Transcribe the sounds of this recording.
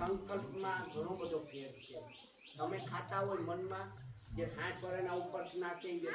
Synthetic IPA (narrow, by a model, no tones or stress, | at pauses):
ə̃ŋkəlpmãɡʱəɽ̃õbəd̪ʱopʰeɾt͡ʃʰe | t̪əmekʰat̪aɦojmənmãd͡ʒet̪ʰãsəɾɛnaupəɾsʰnasẽd͡ʒe